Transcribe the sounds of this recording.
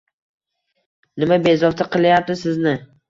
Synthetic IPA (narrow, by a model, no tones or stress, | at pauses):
nɪmabe̞zɒft̪ʰaqʰɨlˠjap̚t̪ɪsɪznɪ